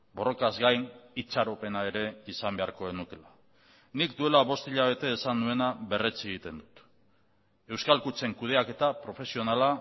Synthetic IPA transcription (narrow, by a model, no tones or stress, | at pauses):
bo̞ro̞kazɡajnit͡ʃaɾo̞pe̞nae̞ɾe̞isambe̞aɾko̞enuke̞la | nikd̪ue̞laβo̞st̪iʎaβe̞t̪e̞ːsand̪ue̞naβe̞ret͡seɣ̞it̪e̞nd̪ut̪ | e̞wskalkut͡se̞ŋkuð̞e̞ake̞t̪apɾo̞fe̞sio̞nala